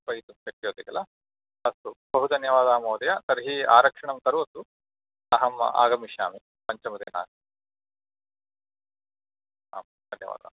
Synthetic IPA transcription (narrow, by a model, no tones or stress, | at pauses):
pɐjt̪upeʈːijoːd̪iɡɐlɐ | ɐst̪ub̥ɐɦud̪ɐnjɐʋaːd̪aːmoːd̪ɐjɐt̪ɐɾɦiːaːɾɐkʂɐɳɐmt̪ɐɾuʋɐsu | ɐɦɐm̰a̰ːɡɐmiʃaːmi | pɐɲt͡ʃɐmɐd̪eːna̰ːs | a̰ːm | d̪ɐnjɐ̰ʋa̰ːd̪a̰ːm